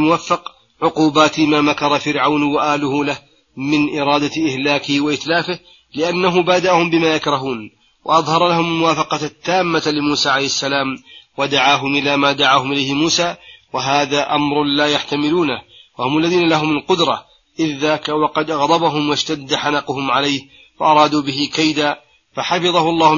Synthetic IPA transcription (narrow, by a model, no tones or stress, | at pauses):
lmʊwafːɑq | ʕʊquːbaːt̪maːmakɑɾˤɑfɪɾʕawnwaʔaːlʊhʊlah | mɪnʔɪɾˤɑːd̪aʔɪhlaːkɪhɪwaʔɪt̪laːfɪh | lɪʔanːaɦʊbaːd̪aʔahʊmbɪmaːjakɾˤɑɦuːn | wa̰ʔɑðˤhɑɾˤɑlahʊmalmʊwaːfɑqɑt̪ːaːmːalɪmuːsaːʕalajhasːalaːmwad̪aʕaːɦʊmʔɪlaːmaːd̪aʕaːhʊmʔɪlajhɪmuːsaːwaɦaːðaːʔamɾˤlaːjaħt̪amɪluːnawahʊmalːaðiːnalaɦʊmalqʊd̪ɾˤɑ | ʔɪðːaːkawɑqɑd̪ʔɑɣd̪ˤɑbaɦʊmwaʃt̪ad̪ːaħanɑqʊhʊmʕalajh | faʔɑɾˤɑːd̪uːbɪɦɪkajd̪aː | faħɑfɨðˤɑhʊlˤːɑːh